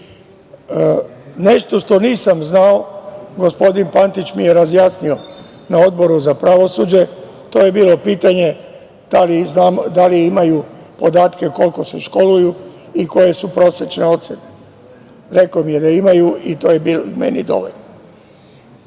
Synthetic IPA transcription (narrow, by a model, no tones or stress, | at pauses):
ne̞ʃt̪o̞ʃt̪o̞niːsamznao̞ɡo̞spo̞d̪inpant̪it͡ɕmije̞ɾazjaːsnio̞ | nao̞d̪̚bo̞ɾuzapɾaʋo̞sud͡ʑe̞ | t̪o̞ːje̞biːlo̞piːt̪aɲe̞ | d̪̥aliznaːmd̪aliimaju | po̞d̪aːt̪ke̞ko̞lko̞seʃko̞lujuiko̞je̞supɾo̞sjet͡ʃne̞o̞t̪sene | ɾe̞komijed̪aimajuit̪o̞ːjebilmḛnḭd̪o̞̰ʋo̞̰ʎno